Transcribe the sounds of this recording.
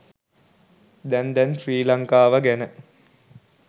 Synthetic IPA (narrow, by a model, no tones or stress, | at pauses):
d̪ɛnd̪ɛnfriːlaŋkaːʋaɡænə